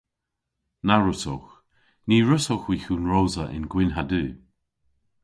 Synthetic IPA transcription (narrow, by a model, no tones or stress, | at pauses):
naɹʊsɔ̰x | niːɹʊsɔxwiːxuːnɹoːzəʔɪ̰nɡwɪnɦadʉː